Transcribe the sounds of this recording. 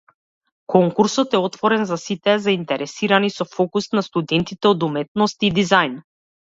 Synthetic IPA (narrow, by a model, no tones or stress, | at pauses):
kʰɔŋkuɾsɔt̪ɛɔt̪vɔɾɛnzasit̪ɛzaint̪ɛɾɛsiɾanisɔfɔkust̪nast̪ud̪ɛnt̪it̪ɛɔd̪umɛt̪̚nɔst̪id̪izajn